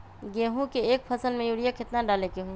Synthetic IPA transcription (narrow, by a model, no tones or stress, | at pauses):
ɡeːɦũkeeːk̚pʰɐsəlmẽjuːɽijaket̪naɖaːlekeɦui